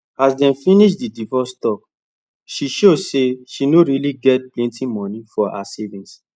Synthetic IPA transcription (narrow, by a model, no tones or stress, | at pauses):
asdɛ̃nfĩniʃdidivɔstɔk̚ | ʃiʃoseʃinoɹiliɡɛt̚plɛ̃ntĩmɔ̃nĩfɔa̰sevĩns